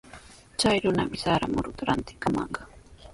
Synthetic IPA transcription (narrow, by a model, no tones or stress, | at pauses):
t͡ʃajɾʊnamɪsaɾamʊɾʊt̪aɾant̪ɪ̥kamɑɴɢɑ